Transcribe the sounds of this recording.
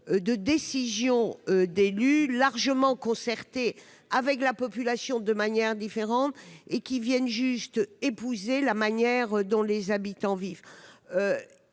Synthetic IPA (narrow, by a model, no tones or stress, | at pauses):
d̪əd̪esizjɔ̃ød̪elylaʁʒəmɑ̃kɔ̃sɛʁt̪e | avɛklapɔpylasjɔ̃d̪əmanjɛʁd̪ifeʁɑ̃t̪ekʲivjɛnʒyst̪epuzelamanjɛʁd̪ɔ̃lezabit̪ɑ̃vivø